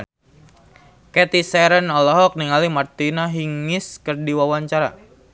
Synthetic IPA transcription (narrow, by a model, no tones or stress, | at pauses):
kɛt̪isɛɾənɔlɔɦɔk̚niŋalimart̪inaɦiŋɪskərdiwawaɲt͡ʃaɾa̰